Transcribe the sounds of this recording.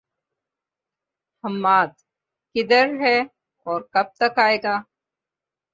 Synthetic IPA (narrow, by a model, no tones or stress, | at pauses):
həmːaːt̪ | kɪd̪əɾɦɛ | ɔːɾkɐb̚t̪əkaːeːɡaː